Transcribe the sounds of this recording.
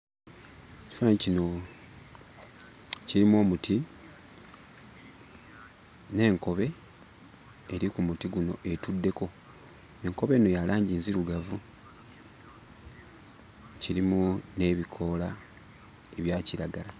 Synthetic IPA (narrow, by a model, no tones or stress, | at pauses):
eci̥faecino̞ | ciɾimuo̞ːmuti | ne̞ːŋko̞βe̞ | ɾikumutiɡuno̞ʔe̞tudːe̞ko̞ | e̞ŋko̞βe̞no̞jalaːɲɟiːnziɾuɡavu | ciɾimune̞βikʰo̞la | eβjaːciɾaɡala